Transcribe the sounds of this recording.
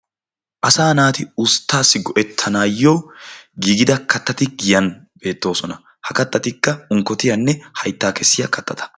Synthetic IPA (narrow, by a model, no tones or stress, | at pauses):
ʔɐsaːnaːt̪ɪʊst̪ːaːsːɪɡɔʔɛt̪ʰːɐnaːjːɔwɡiːɡɪd̪ɐkɐt̪ːɐt̪ɪɡɪjɐnbe̞ːt̪ːo̞ːsɔnɐ | hɐkɐt̪ːɐt̪ɪkːɐʊŋkːɔt̪ɪjɐnːɛhɐjt̪ːaːkɛsːɪjɐkɐt̪ːɐt̪ʰɐ̥